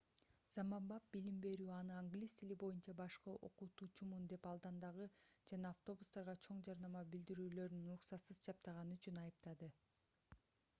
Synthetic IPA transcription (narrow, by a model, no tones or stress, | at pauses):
zɑmɑmbɑp̚bilimbe̞ɾyːɑnɯaŋɡlʲijst̪ʰilibo̞junt͡ʃɑbɑʃqɯʔo̞̰qut̪ut͡ʃʰumund̪e̞pɑlˠd̪ɑnd̪ɑʁɯd͡ʒɑnɑːft̪o̞bust̪ɑɾʁɑt͡ʃʰo̞ɴd͡ʒɑɾnɑmɑbild̪iɾyːlø̞ɾynuɾuqsɑt̪sɯzd͡ʒɑp̚t̪ɑʁɑnɯyt͡ʃynɑjɯpt̪ɑd̪ɯ